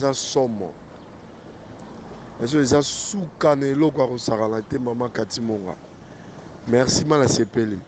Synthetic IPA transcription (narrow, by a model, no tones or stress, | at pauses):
zasɔmɔ̰ | as̬oezasukanaelɔk̬oakosakanatemamakatimoŋɡa̰ | mɛʁsimalasepeli